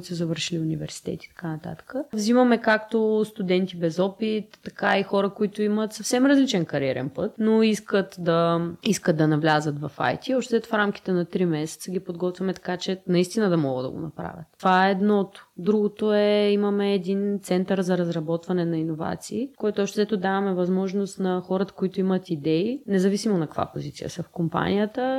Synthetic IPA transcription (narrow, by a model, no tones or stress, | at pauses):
t̪sɛzɐvəɾʃiliunivɛ̰ɾsi̥t̪ɛ̰t̪i̥t̪ɐ̥kanɐt̪a̰t̪ə̥kəvzimɐmɛkakt̪ost̪ud̪ɛnt̪ibɛzɔpit̪ːɐkaixɔɾəkoit̪ʊimət̪sɐfsɛmɾɐzlit͡ʃɛnkɐɾiɛɾɛ̰npət̪noiskət̪d̪ɐiskət̪̚d̪ɐnɐvlʲazət̪vɐfa̰jt̪iɔʃt̪ɛɛt̪fɾamk̟i̥t̪ɛnɐt̪ɾimɛsɛ̥t̪səɡ̟ipod̪ɡɔt̪vʲɐmɛt̪ɐ̥kat͡ʃɛnɐist̪inəd̪ɐmɔɡə̰d̪ɐ̰ɡo̰nɐ̰pɾa̰vʲjə̰t̪ːovaɛɛɛd̪nɔt̪o̥d̪ɾuɡot̪oɛimɐmɛːd̪int̪sɛnt̪əɾzɐɾɐzɾɐbɔt̪vɐnɛnɐinova̰t̪siːkɔjt̪oɔʃt̪ɛzɛt̪ʊd̪avɐmɛvɐzmɔʒnost̪nɐxɔɾət̪ə̥koit̪ʊimət̪id̪ɛinɛzɐvisimonɐkəkva̰po̰zit̪sijə̰səfkompa̰nʲijət̪ə